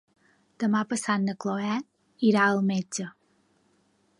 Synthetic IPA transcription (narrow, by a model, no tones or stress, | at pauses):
d̪̥əmapəsannəkloɛt̪ | iɾaəlˠmed͡ʒə